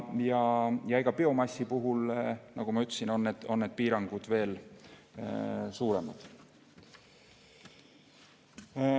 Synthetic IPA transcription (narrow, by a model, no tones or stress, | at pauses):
jɑjɑiɡ̥ɑpeo̞mɑsːipuɦulnɑ̰ɡ̥umɑyt̪ːˑsino̞nːed̪̥o̞nːed̪̥̚piːɾɑŋɡ̥ud̪̥ve̞ːl | suːɾe̞mɑd̪̥